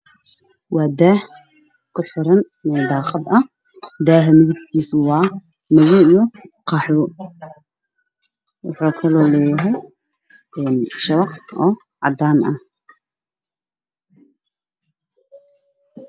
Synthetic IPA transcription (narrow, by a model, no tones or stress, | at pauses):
wɑːd̪aːh | kʰʊħɪɾɐn | mɛd̪ɑːqɑd̪ɐ | d̪aːɦɛmɪðɪɡ̪kʰiːswɑː | mɐɣɔijɔqɑħɔ | wɑ̰ħuːkʰɐlɔːlɛːjɐɦɛj | ɛːnʃɐwɑqɔː | ʕɑ̰d̪aːnʔɐh